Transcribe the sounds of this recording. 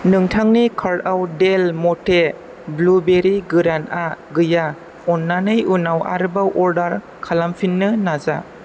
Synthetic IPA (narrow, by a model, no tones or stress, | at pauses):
nɯŋtʰaŋnikʰaɾtawdelmɔte | blubeɾiɡɯɾanaɡɯja | ɔnːanɯjunawa̰ɾɯbawʔɔɾdaɾ | kʰalampʰinːɯnaza